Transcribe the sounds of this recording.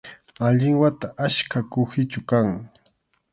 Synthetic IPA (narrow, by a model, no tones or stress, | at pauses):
aʎɪŋwat̪aʔaʃkakʊxɪt͡ʃʊkaŋ